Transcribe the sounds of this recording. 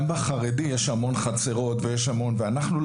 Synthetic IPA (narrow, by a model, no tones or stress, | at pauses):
mbaχaʁedijeʃhamo̞nχat͡seʁo̞t̪vejeʃhamo̞nveanaχnul